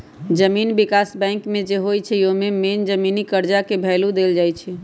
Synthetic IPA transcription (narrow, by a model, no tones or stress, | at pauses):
d͡ʒəminbikasbɛ̃ŋkmẽd͡ʒeɦojt͡ʃʰɛjomemend͡ʒəminikəɾd͡ʒakebʱɛːlud̪eld͡ʒajt͡ʃʰɛ